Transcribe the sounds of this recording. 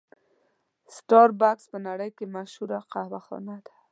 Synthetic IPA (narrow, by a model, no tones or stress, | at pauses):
sʈɑɾbakspənaɽəjkemaʃhuɾaqahwaxɔ̰nad̪ḁ